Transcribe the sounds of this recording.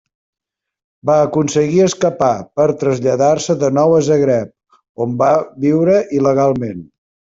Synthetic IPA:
baəkunsəɣiəskəpapəɾt̪ɾəzʎəðarsəðənɔwəzəɣɾɛp̚ | ombaβiwɾəʔiləɣ̞alˠmen

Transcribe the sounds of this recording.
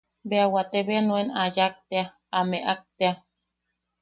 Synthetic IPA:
beawat̪eβeanoenajak̚t̪ea | ameʔak̚t̪ea

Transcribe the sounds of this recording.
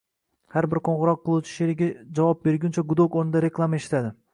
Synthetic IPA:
haɾbɪɾqʰoɴʁɨɾɒqːɨlˠut͡ʃʰɪ̥ʃeɾɪɡʲad͡ʒavɒp̚be̞ɾɡʲʊnt͡ʃʰaɡʊd̪okonɪd̪aɾe̞klˠamaeʃɪ̥t̪ʰad̪ɪ

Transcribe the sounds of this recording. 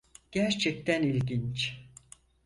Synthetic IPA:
ɟ̥æɾt͡ʃʰɛk̚t̪ʰænilʲɟint͡ʃ

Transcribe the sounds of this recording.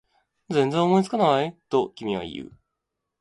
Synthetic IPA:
d͡zẽ̞nd͡zẽomo̞it͡sɨ̥kanaβaet̪okʲimʲiβa̰ḭjɯ̟̰

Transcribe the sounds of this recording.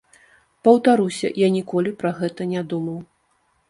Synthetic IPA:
pɐwt̪aɾusʲɐ̰janʲikɔlʲipɾɐɣɛt̪ɐnʲad̪umɐw

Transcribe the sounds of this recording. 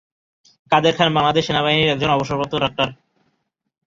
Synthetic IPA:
kad̪eɾkʰanbaŋlad̪eʃenaβaɦiniɾɛk̚d͡ʑonɔboʃoɾpot̪ːoɖak̚ʈaɾ

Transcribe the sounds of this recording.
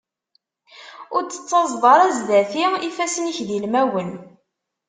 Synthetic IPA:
ʊɾt͡sːə̥t͡sːɑzˤðˤɑɾˤæzðæθiifæsniçðilmæwən

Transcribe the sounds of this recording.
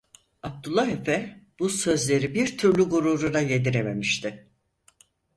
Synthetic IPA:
ab̚t̪ulˠːaɦefɛb̥usø̞zlʲe̞ɾibiɾt̪ʰyɾlʲyɡuɾuɾuɾajed̪iɾeme̞miʃt̪ʰɪ

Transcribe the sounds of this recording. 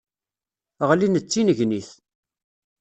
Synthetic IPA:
ʁlinət͡sːinəʝniθ

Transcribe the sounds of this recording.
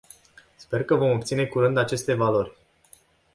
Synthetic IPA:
spe̞rkəvo̞mop̚t̪sine̞kuɾɨnd̪at͡ʃe̞st̪e̞valo̞rʲ

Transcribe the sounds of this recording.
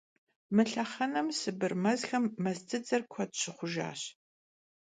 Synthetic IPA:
mɨɬɐχɐnɐmsɨbɨrmɐzxɐmːɐztʰɨd͡zɐrkʷʰɔtɕɪχʷʊʒa̰ːɕ

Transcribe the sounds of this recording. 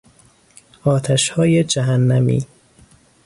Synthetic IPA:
ɒːt̪ʰæʃhɒːjed͡ʒæɦænːæmḭː

